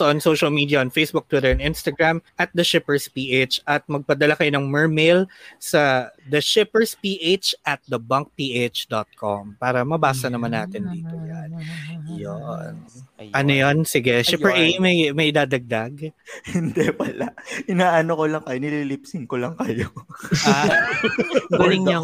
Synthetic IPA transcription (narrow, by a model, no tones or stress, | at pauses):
sɐʔonsowʃɐlmiːd̪ijɐʔonfejsbʊk̚t̪wɪt̪ɛɹɛnɪnst̪ɐɡɹamʔɐt̪̚d̪ɐʃɪpɛɹspiːʔet͡ʃʔɐt̪̚mɐɡ̚pɐd̪ɐlakɐjo̞nɐŋmɛɹmɪlsɐd̪ɐʃɪpɛɹspiːʔet͡ʃʔɐt̪̚d̪ɐbɐŋk̚piːʔet͡ʃd̪ot̪̚kʰompaːɾɐmɐbaːsɐnɐmanːa̰ːt̪ɪnd̪iːt̪ojanjonʔɐnojonsɪɡɛʃɪpɛɹʔejmɐjmɐjʔɪd̪aːd̪ɐɡ̚d̪ɐɡhɪnd̪ɛpɐlaʔɪnaːʔɐnokolɐŋkɐjonɪliːlɪpsɪnkolɐŋkɐjo | ɡulɪŋɲɐ